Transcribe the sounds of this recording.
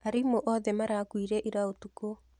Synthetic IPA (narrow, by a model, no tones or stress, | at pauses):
aɾimoʔɔðɛmaɾakwiɾɛʔiɾaotuko